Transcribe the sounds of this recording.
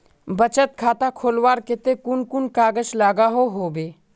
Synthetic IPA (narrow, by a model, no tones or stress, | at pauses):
bət͡ʃət̪̚kʰaːt̪akʰoːlwaːɾkɪt̪ekʊnkʊnkaːɡət͡ʃlaːɡaɦoɦoːbeː